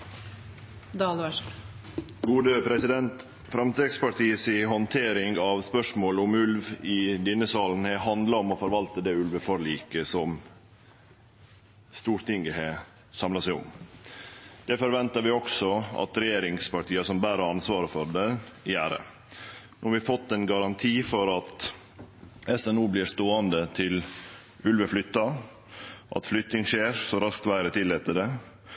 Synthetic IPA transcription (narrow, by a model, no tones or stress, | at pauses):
d̪ɑːlʋæ | ɡuːd̪əpʰɾɛsɪd̪ɛnt̪ | fɾɑmt̪ɾɛkspɑʈʰiːəsɪɦɔnt̪ʰeːɾɪŋɡɑʋspœʂmoːlʊmʉlʋɪd̪ɪnːəsɑːln̩hɛhɑnd̪lɑɔmɔfɔɾʋɑlt̪əd̪ɛːʉlʋəfɔɾliːkəsɔm | st̪uːɾt̪ʰɪŋɡəhɛ | sɑmlɑsæɪʊ̰m | d̪̥ɛfɔɾʋɛnt̪ɑɾʋɪɔksɔɑ̰t̪ɾɛjeːɾɪŋspɑʈʰiːɑsɔmbæːɾəɑnsʋɑːɾəfɔɖ̪ɛjæːɾə̰ | nuːhɑɾʋɪfɔt̪ːɛnɡɑɾɑnt̪ʰiːfɔɾɑt̪ | ɛsɛnuːblɪːʂt̪oːɑnd̪ət̪ʰɪl | ʔʉlʋəflʏt̪ːɑ | ʔɑ̰t̪flʏt̪nɪŋʂeːɾsɔɾɑskt̪ʋæɪɾət̪ʰɪlːeːt̪əɖɛ